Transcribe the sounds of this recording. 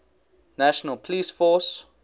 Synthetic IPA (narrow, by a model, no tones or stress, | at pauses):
naʃənəlpʰliːsfɔs